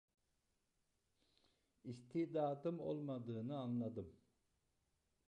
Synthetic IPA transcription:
ist̪ʰiːd̪aːt̪ɯmo̞̰lˠmad̪ɯːnɯanlˠad̪ɯm

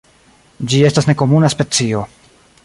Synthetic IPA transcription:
d͡ʒie̞stasne̞ko̞munaspe̞t͡sio̞

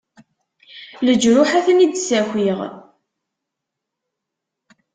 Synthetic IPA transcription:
ləd͡ʒɾʊħaθənid̪sæxʷiʁ

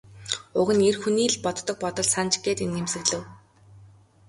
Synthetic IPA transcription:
ʊɣɘ̆nerxuniːɮpɔt̪ːɞ̆k̚pɔt̪ɞ̆ɮsant͡ɕɡeːt̪enemsɘ̆ɣɮɘ̆w

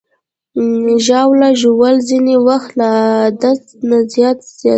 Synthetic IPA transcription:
ʒɑwlaʒowəlzinewaxt̪lad̪as | nazjɑt̪z̥jɑ

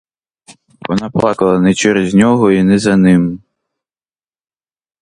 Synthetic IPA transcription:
ʋɔnɑplˠɑkɐlˠɐnɛt͡ʃɛɾezʲnʲɔɦɔinɛzɐnɪm

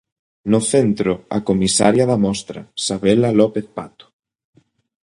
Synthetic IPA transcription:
nʊθent̪ɾoa̰komisa̰ɾjaðɐmɔst̪ɾɐ̰saβelalɔpeθpat̪ʊ̥

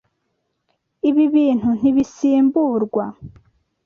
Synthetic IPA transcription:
iβiβiːn̥hun̥iβisiːmbuːɾɡwa

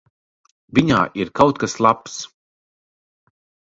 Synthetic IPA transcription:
viɲa̰ːʔiɾkawt̪̚kaslˠaps

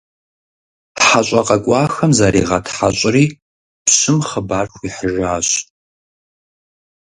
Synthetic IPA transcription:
ħaɕʷʼɐqʼɐkʷʼɑːxɐmzaɾiːʁɐtʰħaɕʼriː | psɨmχəbaːrxʷiːħəʒaːɕ

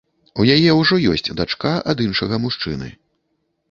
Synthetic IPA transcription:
ujajɛwʐɔjɔ̰sʲt͡sʲd̪at͡ʂkaʔɐd̪inʂɐɣɐmuʂt͡ʂɨ̰nɨ̰

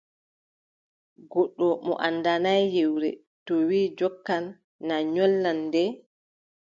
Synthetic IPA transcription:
ɡɔɗːɔmɔ̰ʔandanajjewɾɛ̰ | tɔwiːd͡ʒɔkːanː | aɲɔlːandɛ

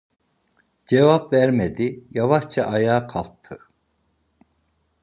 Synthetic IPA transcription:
d͡ʒevɑpvæɾmed̪ijɑvɑχt͡ʃʰɑʔɑjaːqʰɑlˠt̪ʰːɯ

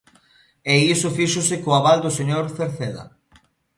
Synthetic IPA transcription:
eisʊfiʃʊsɪkoaβald̪ʊseɲoɾθeɾθeðɐ̰

